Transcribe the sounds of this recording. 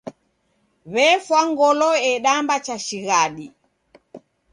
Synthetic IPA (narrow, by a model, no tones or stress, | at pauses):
βɛfwaŋɡɔlɔɛɗambat͡ʃaʃiɣaɗi